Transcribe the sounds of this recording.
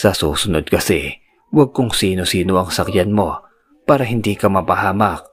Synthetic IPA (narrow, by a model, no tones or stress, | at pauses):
sɐsṵːsʊnod̪̚kɐsɛ̰ | wɐɡ̚kʊŋsiːno̞siːno̞ʔɐŋsɐkjanmo̞ | paːɾɐɦɪnd̪iːkɐmɐpɐhaːmɐk̚